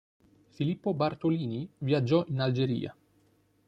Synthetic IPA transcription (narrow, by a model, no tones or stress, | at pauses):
filipːobart̪oliːnivjad͡ʒːɔʔinald͡ʒeɾḭːa̰